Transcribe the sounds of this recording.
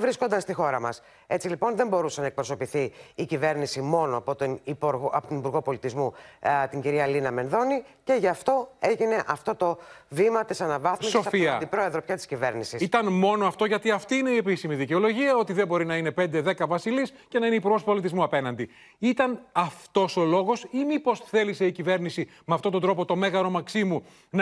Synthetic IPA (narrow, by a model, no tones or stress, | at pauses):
vɾisko̞nd̪ɐst̪ixo̞ɾɐmɐ̰s | e̞t͡silipo̞nðe̞mbo̞ɾusenɐek̚pɾo̞so̞piθiːcive̞ɾnisimo̞noɐpot̪nipɐpot̪onipuɾɣo̞po̞lit̪izmut̪iɲɟiɾiɐlinɐme̞nðo̞ni | ce̞ʝɐft̪o̞e̞ʝine̞ʔɐft̪o̞t̪o̞vimɐt̪isɐnɐvɐθmisosɐfiɐd̪ipɾo̞e̞ðɾo̞pçɐt̪i̥scive̞ɾnisisit̪ɐnmo̞no̞ɐft̪o̞ʝɐt̪iɐft̪iine̞ie̞pisimiðice̞o̞lo̞ʝiɐo̞t̪iðe̞bo̞ɾinɐine̞pe̞nd̪e̞ðe̞kɐvɐsilisce̞nɐine̞ipuɾɣo̞spo̞lit̪izmuɐpe̞nɐnd̪i | it̪ɐnɐft̪o̞so̞lo̞ɣo̞simipo̞sθe̞lise̞icive̞ɾnisi | meɐft̪o̞t̪od̪ɾo̞po̞t̪o̞me̞ɣɐɾo̞mɐksimu | n